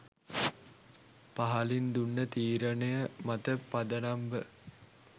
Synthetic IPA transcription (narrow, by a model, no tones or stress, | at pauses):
paɦɐlind̪unːət̪iːɾənəjəmat̪əpad̪ənambə